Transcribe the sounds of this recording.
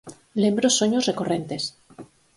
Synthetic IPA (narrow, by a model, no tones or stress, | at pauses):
lembɾosoɲozrekore̞nt̪e̞s